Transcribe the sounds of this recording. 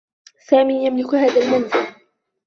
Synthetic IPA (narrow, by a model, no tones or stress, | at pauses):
saːmiːjamlɪkhaːðalmanzɪl